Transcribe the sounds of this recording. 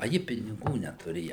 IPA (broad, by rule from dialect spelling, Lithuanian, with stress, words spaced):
ɐˈjɪ pʲɪnʲɪˈɡuː nʲɛtʊˈrʲeːjɛ